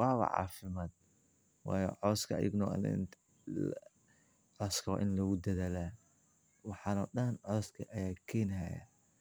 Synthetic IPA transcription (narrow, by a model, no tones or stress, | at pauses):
wɑːwɐ̰ʕɑ̰ːfɪmaːd̪̚ | wɑːjɔ̰ʕɔːskʰɐ̰jɪ̰ɡnɔɐ̰n̰n | ʕɔskʰɔ̰ʔɪnlɐɣʊd̪ɐðaːlaː | wɑħɑnɔɗɐnʕɔːskʰɐʔɐjaːkʰɛːnɦajɐ̰